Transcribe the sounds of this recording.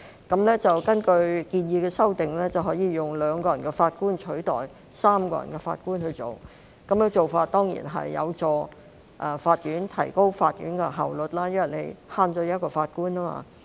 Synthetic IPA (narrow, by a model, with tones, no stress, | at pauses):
kɐ˨˧˥mlɛː˥t͡sɐ˨wkɐ˥nkɵ˧ɥkiː˧njiː˨˧kɛː˧sɐ˥wt̪ɪ˨ŋlɛː˥t͡sɐ˨wɦɔː˨˥jiː˨˧jʊ˨˩ŋlœː˨˧ŋkɔː˧jɐ˨˩nkɛː˧faː˧t̚kuː˥nt͡ʃʰɵ˨˥ɥt̪ɔː˨˩j | saː˥mkɔ̰ː˧jɐ̰˨˩nkɛ˧fa̰ː˧t̚kuː˥nhɵ˧ɥt͡so̰˨˩w | kɐ˨˦mkɛ˧t͡so˨wfaː˧t̚t̪ɔː˥ŋjḭː˨˩nɦɐ̰˨jːɐ̰˨˧wt͡sɔː˧ | ʔɐː˨faː˧t̚jyː˨˥nt̪ʰɐ˨˩jko˥wfaː˧t̚ɥyː˨˥nkɛ˧ɦaː˨wlɵ˨t̚laː˥jɐ˥nwɐ˨˩le˨˧jhaː˧nt͡sɔː˧jɐ˥t̚kɔː˧faː˧t̚kuː˥naː˥ma̰ː˧